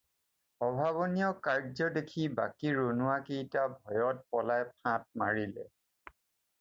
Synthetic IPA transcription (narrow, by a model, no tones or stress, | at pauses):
ɔbʱaβɔnijɔkaɹzɔdekʰiba̰kiɹonʊwakejtabʱɔjɔt̚pɔlajpʰãt̚maɹilɛ̰